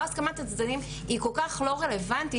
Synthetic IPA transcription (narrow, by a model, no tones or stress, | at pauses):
askamat̪at͡sd̪anim | ikolkaχlo̞ʁele̞vant̪i